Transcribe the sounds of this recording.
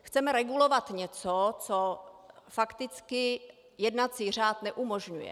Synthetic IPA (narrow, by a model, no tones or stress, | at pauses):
xt͡sɛmɛɾɛɡulovat̪ɲɛt͡sot͡sofakt̪ɪt͡skɪ | jɛdnat͡siːr̝aːt̪nɛʔumoʒɲujɛ̰